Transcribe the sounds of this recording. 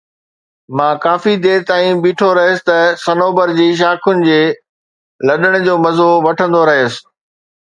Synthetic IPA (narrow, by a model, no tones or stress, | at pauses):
mãːkaːfid̪eːɾt̪aːĩbiːʈʰoɾɐɦjəsɪ̥t̪ɐsɐnoːbəɾd͡ʑeːʃ̬aːkʰʊnɪ̆d͡ʑeː | lɐɗəɽ̃d͡ʑoːmɐzoʋɐʈʰə̃nd̪oɾɐɦjəsɪ̥̆